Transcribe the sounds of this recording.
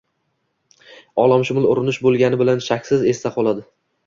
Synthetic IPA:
ɒlˠamʃʊmɪlˠʊɾɪnɪʃbolˠɡʲanɪbɪlanʃakʲsɪze̞st̪aqʰɒlˠad̪ɪ

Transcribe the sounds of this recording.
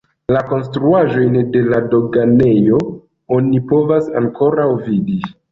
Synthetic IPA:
lako̞ns̬tɾuaʒo̞jnde̞lado̞ɡane̞jo̞ | o̞nipo̞vasa̰ŋko̞ɾawvidi

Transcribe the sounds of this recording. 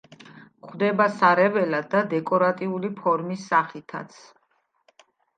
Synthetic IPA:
χʰd̪ɛbasaɾɛvɛlad̪d̪ad̪ɛkʼɔɾat̪ʼiulipʰɔɾmisːaχit̪ʰa̰t̪sʰ

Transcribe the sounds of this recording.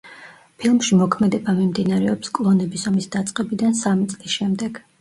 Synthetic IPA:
pʰilˠmʃimɔkʰmɛd̪ɛbamimd̪inaɾɛɔpskʼlˠɔnɛbisɔmisd̪at̪sʼqʼɛbid̪ansamit̪sʼlisʃɛmd̪ɛɡ̥

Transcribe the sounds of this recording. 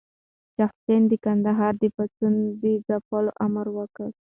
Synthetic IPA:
d͡ʒɑfsend̪əkand̪aɦɑɾd̪əpat̪und̪əzapəloʔamaɾwəkəl

